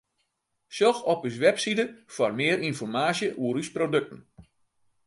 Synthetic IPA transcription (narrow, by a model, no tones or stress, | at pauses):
sjɔxɔpysʋɛpsidəfɔrmɪəɾinfɔrmaːsjəʔuəɾysprodøk̚tən̩